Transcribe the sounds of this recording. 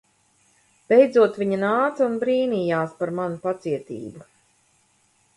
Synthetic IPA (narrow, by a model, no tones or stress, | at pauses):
b̥ejd̪zuɔt̪vʲiɲanaːt̪sunbɾiːniːjaːspaɾmanupat̪siɛt̪ḭːbu